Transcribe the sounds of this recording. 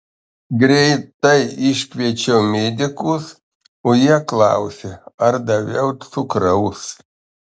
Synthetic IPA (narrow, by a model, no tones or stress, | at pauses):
ɡɾʲɛɪt̪ɐɪɪʃʲkʲʋʲiɛt͡ʃʲɛʊmʲed̪ʲɪkʊs | oːjiɛklˠɑ̰ʊsʲeɐɾd̪ɐʋʲɛʊt̪sʊkɾɐʊs